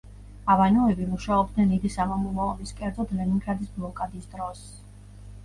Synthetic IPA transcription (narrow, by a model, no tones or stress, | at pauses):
avanɔɛbimuʃaɔb̚d̪nɛnːid̪isamamumaɔmiskʼɛɾd̪zɔd̪lɛniŋɡɾad̪isblˠɔkʼad̪isd̪ɾɔs